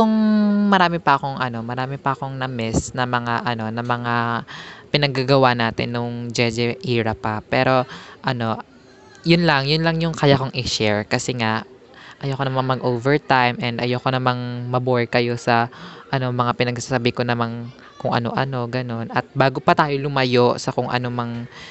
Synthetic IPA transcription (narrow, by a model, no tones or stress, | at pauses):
koŋmɐɾaːmɪpɐʔɐko̞ŋʔɐno̞mɐɾaːmɪpɐʔɐko̞ŋnɐmɛsnɐmɐŋaʔɐno̞nɐmɐŋa | pɪnɐɡaɡɐwanaːt̪ɪ̰nːʊŋd͡ʒɛd͡ʒɛʔiːɾɐpɐpɛːɾo̞ʔɐno̞ | jʊnlɐŋjʊnlɐŋjʊŋkɐjako̞ŋʔɪʃɛɹkɐsɛŋaʔ | ʔɐjokonɐmanmɐɡʔowvɛɹt̪ajmʔɛnd̪ʔɐjoːko̞nɐmaŋmɐbojkɐjo̞sɐʔɐno̞mɐŋapɪnɐɡsasabɪkonɐman | kʊŋʔɐ̰no̞̰ʔɐno̞ɡɐno̞nɐt̪̚baːɡo̞pɐt̪aːjolʊmɐjo̞ʔsɐkʊŋʔɐ̰no̞mɐŋ